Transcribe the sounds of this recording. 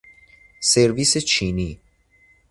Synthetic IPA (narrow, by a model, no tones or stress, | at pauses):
seɾviset͡ʃʰini